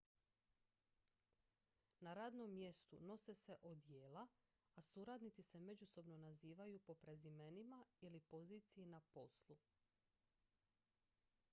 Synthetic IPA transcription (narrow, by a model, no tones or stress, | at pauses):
naɾaːd̪no̞mːje̞st̪ṵno̞sese̞ʔod̪jeːla | asuɾad̪nit̪sise̞me̞d͡ʑuso̞bno̞naziːʋajupo̞pɾe̞zime̞nimailipo̞ziːt̪sijinapo̞slˠu